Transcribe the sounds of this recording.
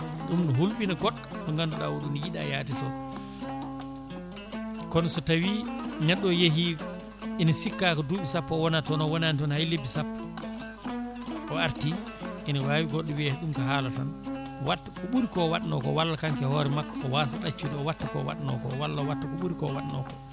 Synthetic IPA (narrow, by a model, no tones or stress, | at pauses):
ɗumnɔɦulɓinaɡɔɗːɗɔŋɡandɔɗawuɗunjiɗa̰jaːtitɔn | kɔnsɔtawinɛɗːɔjeɦi | inisikːakɔduɓisapːɔwɔnatɔnɔwɔnanitɔnhajlebːisapːa | ɔaɾti | inawaːwiɡɔɗːɔwiɛhɗumkaɦaːlatan | watːḁkɔɓuɾikɔwaɗnɔ̰kɔ̰walːakaŋkɛhɔːɾɛmakːɔɔwasaɗat͡ʃːudɛɔwatːakɔ̰wa̰ɗnɔ̰kɔ̰walːawatːakɔɓuɾikɔwaɗnɔ̰kɔ̥